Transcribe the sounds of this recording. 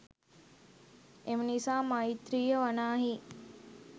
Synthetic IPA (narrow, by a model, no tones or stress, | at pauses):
emənisaːmait̪ɾiːjəʋanaːɦi